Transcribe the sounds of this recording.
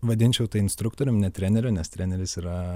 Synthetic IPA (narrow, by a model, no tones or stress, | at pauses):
ʋɐd̪ʲɪnʲt͡ʃʲɛʊt̪ɐɪɪnst̪ɾʊkt̪oːɾʲʊmnʲɛt̪ʲɾʲæːnʲɛɾʲʊnʲɛst̪ʲɾʲæːnʲɛɾʲɪsiːɾɐ